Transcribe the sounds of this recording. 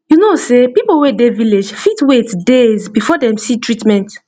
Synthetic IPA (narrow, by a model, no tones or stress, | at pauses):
junosepipowedeviled͡ʒfitwetdezbifɔdɛ̃msitɹitmɛ̃nt